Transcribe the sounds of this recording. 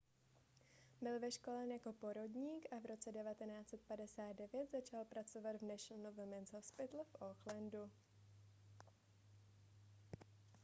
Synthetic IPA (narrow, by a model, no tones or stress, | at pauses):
bɪlvɛʃko̞lɛnjako̞po̞ɾo̞dɲiːkʔavɾo̞t͡sɛdɛvat̪ɛnaːt͡sɛt̪̚padɛsaːt̪̚dɛvjɛt̪zat͡ʃalpɾat͡so̞vat̪vnɛʃ̩novɛmɛnzhofspɪt̪lfʔoxlɛndu